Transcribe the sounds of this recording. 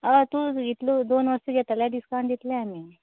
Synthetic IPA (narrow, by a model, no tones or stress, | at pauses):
aʋat̪ũːit̪lod̪onʋəɾst̪uɡʱet̪əljaɖiskaɳd̪it̪leamiː